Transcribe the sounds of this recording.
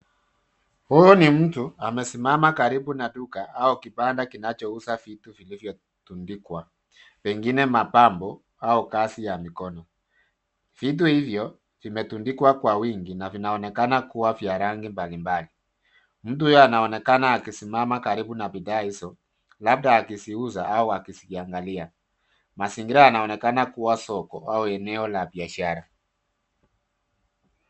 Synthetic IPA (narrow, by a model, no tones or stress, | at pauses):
hujɔnim̩tuamɛsimamakaɾibunaɗukaaɔkipandakinat͡ʃɔusafituvilivjɔ | tundikwa | pɛŋɡinɛmapambɔ | aɔkasijamikɔnɔ | fit̬uhivjɔ | v̥imɛtundikwakwawiŋɡinavinaɔnɛkanakuwavjaɾaŋɡimbalimbali | m̩tuujɔanaɔnɛkanaːkisimamakaɾibunapidaisɔ | lab̚daːkisiuzaauakisikiaŋɡalia | masiŋɡiɾaanaɔnɛkanakuwasɔkɔauɛnɛɔlabiaʃaɾa